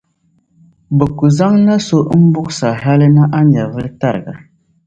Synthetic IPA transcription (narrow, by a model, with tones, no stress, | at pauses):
bə˨ku˨za˦ŋna˦so˦ʔm̩˦bu˦ksa˨ɦa˦lə˦na˦ʔa˦na˨ɣə˦lta˦˨ɾɡa˨